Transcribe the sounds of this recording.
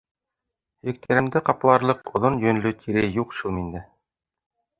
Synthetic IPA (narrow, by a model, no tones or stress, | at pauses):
jɘ̆k̚t̪ʰæɾɘ̆md̪ɘqɑplˠɑɾlˠɤqŏðonjɵ̆n̆lɵt̪ʰiɾæjuqʃulˠmind̪ɘ